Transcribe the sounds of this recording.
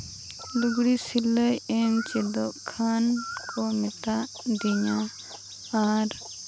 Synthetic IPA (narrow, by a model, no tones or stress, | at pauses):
luɡɽisiləjɛnt͡ʃɛd̪ɔʔkʰankʰɔmɛt̪a | d̪iɲãː | ɾ